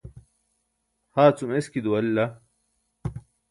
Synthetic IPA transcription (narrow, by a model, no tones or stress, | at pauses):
haːt͡sumeskid̪uɐlːɐ